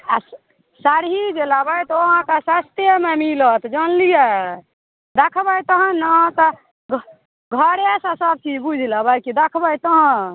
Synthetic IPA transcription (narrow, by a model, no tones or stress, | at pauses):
a̰s | saɾɦid͡ʒelabəjt̪ɔɦãkasast̪jəmemilət̪d͡ʒənlije | d̪ekʰbəjt̪əɦə̃nə̃t̪ɔ | ɡ | ɡʱəɾesasəb̚t͡ʃibud͡ʒʱilabəjkid̪ekʰbəjt̪əɦə̃